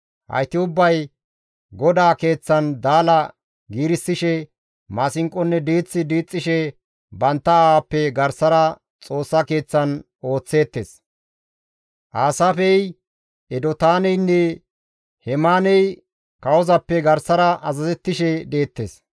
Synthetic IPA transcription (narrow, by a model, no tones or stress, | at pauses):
ʔɐ̰jt̪ɪʊbːɐj | ɡɔd̪aːke̞ːt͡sːɐnd̪aːlɐ | ɡiːɾɪsːɪʃɛ | maːsɪŋkʼɔnːɛd̪iːt͡sːɪd̪iːt͡sʼːɪʃɛ | bɐnt̪ːɐapːɛɡɐɾsɐɾɐ | t͡sʼo̞ːsːɐke̞ːt͡sːɐn | o̞ːt͡sːe̞ːt̪ːeːs | ʔaːsaːfɛj | ɛd̪ɔt̪aːnɛjnːɛ | hɛmaːnɛj | kɐwɔzɐpːɛɡɐɾsɐɾɐʔɐzɐzɛt̪ːɪʃɛd̪e̞ːt̪ːeːs